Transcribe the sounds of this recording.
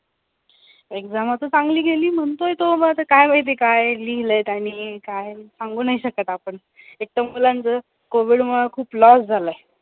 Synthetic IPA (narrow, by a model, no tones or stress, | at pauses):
ekd͡zamat̪əsãŋɡliːɡʱeliːm̤əɳt̪ojt̪oməat̪əkajməjt̪̬ekajliɡləjt̪añiːkajsaŋɡuːnaɦiɕəkət̪apəɳ | ek̚ʈ̪əmulant͡sə | koʋiɽməɭakʰuːplɔsd͡zʱaləe